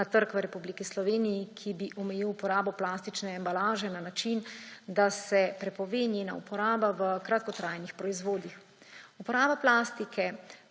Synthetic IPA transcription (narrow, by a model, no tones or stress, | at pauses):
at̪əɾkʋɾɛpublikislɔʋeːnijikʰibiʔɔmɛjiwupɔɾaːbɔplaːst̪it͡ʃnɛːmbalaːʒɛnanat͡ʃind̪asɛpɾɛpɔʋeːnjena̰upɔɾaːbaʋəkɾat̪̚kɔt̪ɾajnixpɾɔizʋoːd̪ix | upɔɾaːbaplaːst̪ikʰɛ